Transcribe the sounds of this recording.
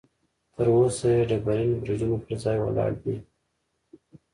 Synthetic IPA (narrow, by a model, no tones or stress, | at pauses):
t̪əɾosajeɖəbaɾinobɾid̪unopəɾzɑjwə̰lɑ̰ɽd̪i